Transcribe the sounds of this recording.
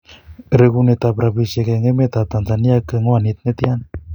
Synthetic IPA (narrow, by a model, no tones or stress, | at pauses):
ɾeɣunet̪apɾaβisekeŋemet̪at̪anzaniakːeŋoanit̪̚net̪ian